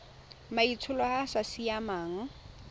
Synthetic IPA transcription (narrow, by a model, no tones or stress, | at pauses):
mait͡sʰʊlɔhasasijamaːŋ̩